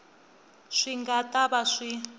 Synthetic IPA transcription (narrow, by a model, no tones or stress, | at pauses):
ʂiŋɡatʼaβaʂi